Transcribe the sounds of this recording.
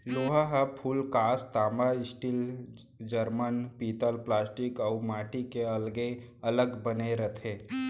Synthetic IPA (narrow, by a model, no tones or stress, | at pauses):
loːɦaɦəpʰuːlkaːst̪aːmbaɪsʈɪl | d͡ʒəɾmənpiːt̪əlplaːsʈɪkɔʊmaːʈikeɐlɡe | ɐləɡbəneɾət̪ʰeː